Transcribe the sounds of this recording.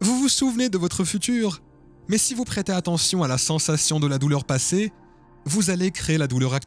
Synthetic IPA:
vuvusuvned̪əvɔt̪χəfyt̪yːʁ | mɛsivupχet̪eat̪ɑ̃sjɔ̃alasɑ̃sasjɔ̃d̪əlad̪ulœʁpase | vuzalekχeelad̪ulœʁak̚t̪

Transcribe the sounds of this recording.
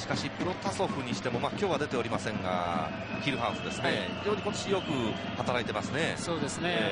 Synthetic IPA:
ɕi̥kaɕipɯ̟ɾo̞t̪aso̞ɸɯ̟ɲ̟iɕi̥t̪e̞mo̞maːkʲo̞ːβad̪e̞t̪e̞oɾʲimasẽ̞ŋɡa̰ | çʲiɾɯ̟ɦaɯ̃sɨd̪e̞sɨne̞id͡ʑo̞ːɲ̟iko̞t̪oɕijo̞kɯ̟ | hat̪aɾait̪e̞masɨne̞soːd̪esɨne

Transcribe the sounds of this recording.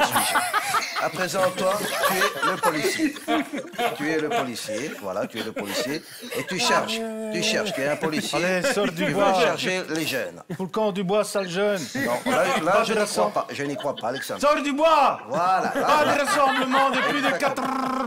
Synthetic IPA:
apχezɑ̃t̪wat̪yɛləpɔlisje | t̪yɛləpɔlisjevwa̰la̰t̪yɛləpɔlisje | et̪yʃɛʁʃt̪yʃɛʁʃt̪yɛɛ̃pɔlisjelesɔʁd̪ybwaʃɛʁʃeleʒɛ̰nfulkɑ̃d̪ybwasalʒœnnɔ̃lalaaʒd̪eʁasãpaʒənikχwapalɛksã̰d̪sɔʁd̪ybwavwala̰pad̪eʁasɑ̃bləmɑ̃d̪əplyd̪əkat̪

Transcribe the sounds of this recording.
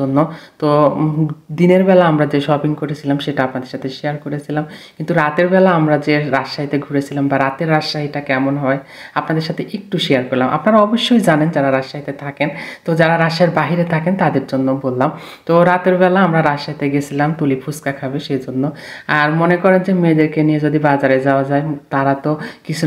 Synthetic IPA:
onːot̪o | d̪ineɾbɛlaamɾad͡ʑeʃɔbinkoɾet͡ɕʰilamʃeʈaapnad̪eɾʃat̪ʰeʃejaɾkoɾet͡ɕʰilamkkint̪uɾat̪eɾbɛlaamɾad͡ʑeɾaʃaɦit̪eɡʱuɾet͡ɕʰilambaɾat̪eɾːaʃaɦiʈakɛmonɦɔeapnad̪eɾʃat̪ʰeʔek̚ʈuʃeaɾkɔɾlamʔa̰pnaɾaɔboʃːojd͡ʑanend͡ʑaɾaɾaʃːaɦit̪et̪ʰakent̪od͡ʑaɾaɾaʃaeɾbaɦiɾet̪ʰakent̪ad̪eɾd͡ʑonːobolːam | t̪oɾat̪eɾbɛlaamɾaɾaʃaɦit̪eɡet͡ɕʰilamt̪ulipʰuskakʰabeʃejd͡ʑonːoaɾmonekɔɾend͡ʑemed̪eɾkenijed͡ʑod̪ibad͡ʑaɾed͡ʑaoad͡ʑaet̪aɾat̪okit͡ɕʰu

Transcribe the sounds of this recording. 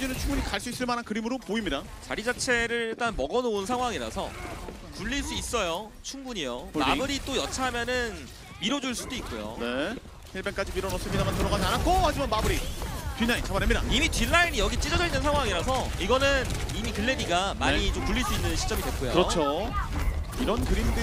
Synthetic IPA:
d͡ʑinɯnt͡ɕʰuŋbuɲikaɭs͈uis͈ɯɭmanɦankɯɾimɯɾopoimɲida | t͡ɕaɾid͡ʑat͡ɕʰe̞ɾɯɭt͈anmʌɡʌnounsʰaŋɦwaŋiɾa̰sʰʌ̰ | puʎːiɭs͈uis͈ʌjo | t͡ɕʰuŋbuɲijomabɯɾit͈ojʌt͡ɕʰamjʌnɯn | miɾʌd͡ʑuɭs͈udoik̚k͈ojo̰ne | hiɭbek͈ad͡ʑimiɾʌnʌs͈ɯɲidamantɯɾʌɡad͡ʑianak͈ohad͡ʑimanmabɯɾitɥinːaint͡ɕamaɾemɲida̰imitɥinːainijʌɡit͡ɕ͈id͡ʑʌd͡ʑʌinːɯnsʰaŋɦwaŋiɾas̬ʰʌiɡʌnɯnimikɯɭːe̞diɡamaɲit͡ɕompuʎːiɭs͈uinːɯnɕʰi̥t͡ɕ͈ʌmid̪we̞k͈ojoɯɾʌt͡ɕʰo | iɾʌnkɯɾimdɯ

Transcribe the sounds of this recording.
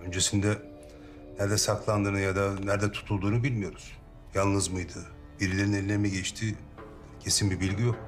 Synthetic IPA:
ø̞nd͡ʒe̞sind̪ɛ | næɾd̪ɛsak̪ʰlˠand̪ɯːnɯjad̪anæɾd̪ɛt̪ʰu̥t̪ʰulˠd̪uːnubilʲmijo̞ɾuz̥ | jalˠnɯzmɯjd̪ɯ | biɾilʲe̞ɾinelʲilʲeɾmɛɟɛt͡ʃt̪ʰi | cʰe̞sinbibilʲɟijok̚

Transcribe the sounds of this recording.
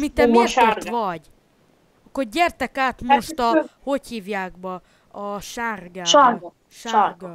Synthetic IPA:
mit̪ɛmeːrt̪oʋvɒɟ | ɒkːorɟɛrt̪ɛkaːt̪mo̞ʃt̪ɒho̞chiːvjaːɡbɒ | ɒʃaːrɡaː | ʃaɡɔ

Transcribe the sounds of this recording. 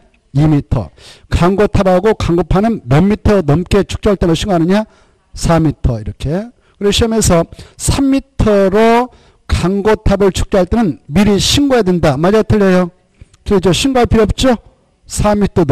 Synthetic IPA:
imitʰʌ̰kaŋɡotʰabaɡokaŋɡopʰanɯnːʌmːitʰʌnʌmk͈e̞t͡ɕʰu̥k̚t͡ɕ͈oɦaɭt͈emɯɕʰiŋɡoɦanɯɲa | sʰamitʰʌiɾʌkʰe̞ | kɯɾeɕʰimjensʰʌsʰamːitʰʌɾo | kaŋɡotʰabɯɭt͡ɕʰu̥k̚t͡ɕ͈oɦaɭt͈enɯnmiɾiɕʰiŋɡojadwendamad͡ʑatʰɯɭːejo | kɯid͡ʑʌɕʰiŋɡoaɭpʰiɾjʌp̚t͡ɕ͈o | sʰamitʰʌn

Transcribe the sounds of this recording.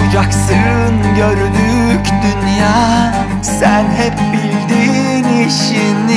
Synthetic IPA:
ud͡ʒaksɯnɟøɾynycd̪ynjaː | sænɦɛp̚bilʲd̪iː | niʃ | in

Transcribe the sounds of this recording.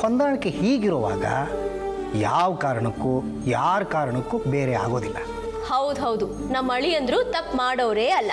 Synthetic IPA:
hond̪aːɐɳɐkːehiːɡiɾoːʋa̰ːɡɐ̰ | jaːʋkaːɾɐɳɐkːu | jaːɾkaːɾɐɳɐkːubeːɾea̰ːɡo̞ːd̪ilːɐ | hɐwd̪uɦɐwd̪u | nɐmːɐɭijɐnd̪ɾuːt̪ɐpːmaːɽoʋɾeːɐlːɐ

